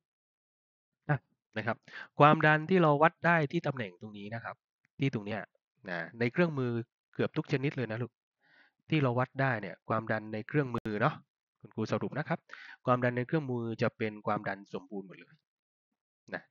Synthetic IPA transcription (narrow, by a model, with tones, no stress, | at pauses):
ʔa˧˩ | na˦˥˩kʰa˦˥p̚kʰwaː˧mda˧nt̪ʰiː˥˩ɾa˧wwa˦˥t̪̚daː˥˩jt̪ʰiː˥˩t̪a˧mnɛ˨˩ŋt̪o˧ŋniː˦˥na˦˥kʰa˦˥p̚ | t̪ʰiː˥˩t̪o˧ŋni˦˥ɐ | na˧˩na˧jkʰɾɯ˥˩əŋmɯː˧ | kɯ˨˩əp̚t̪u˦˥k̚t͡ɕeː˧nː˦t̪̚ləː˧jna˦˥lu˧˩k̚ | t̪ʰiː˥˩ɾa˧wa˦˥t̪̚daː˥˩jni˥˩ɐkʰwaː˧mda˧nːa˧jkʰɾɯ˥˩əŋmɯːɯː˧nɔ˦˥ | kʰu˧nkʰuː˧sa˧ɾu˨˩na˦˥kʰa˦˥p̚kʰwaː˧mda˧nːa˧jkʰɾɯ˥˩əŋmɯː˧t͡ɕa˨˩pe˧nkʰwaː˧mda˧nso˩˦mbuː˧nmo˨˩t̪̚lɤː˧j | na˦˥